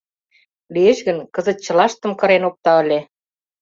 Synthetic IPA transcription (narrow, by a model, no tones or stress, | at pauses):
lieʃɣə̆nkə̆zə̆t̪̚t͡ɕɤ̆lɑʃt̪ə̆mkɤ̆ɾenok̚t̪ɑə̆lʲe